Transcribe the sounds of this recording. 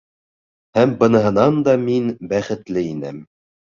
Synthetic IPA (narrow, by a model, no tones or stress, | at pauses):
hæmbɤ̆nɤ̆ɦɤ̆nɑnd̪ɑminbæχɘ̆t̪lɘinæ̰m